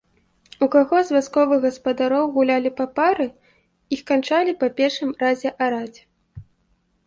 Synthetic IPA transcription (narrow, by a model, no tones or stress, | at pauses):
ukaɣɔzvʲaskɔvɨɣɣɐspɐd̪aɾɔwɣulʲalʲipapaɾɨ | ixkant͡ʂalʲipɐpʲɛrʂɨmrazʲɛʔaɾad͡zʲɛ